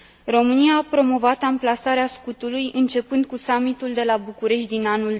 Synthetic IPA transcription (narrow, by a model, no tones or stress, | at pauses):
ro̞mɨniaːpɾo̞mo̞vat̪amplasaɾeaskut̪ulujʔɨnt͡ʃe̞pɨnd̪̚kusamit̪uld̪e̞labukuɾe̞ʃt̪̚ʲd̪inanul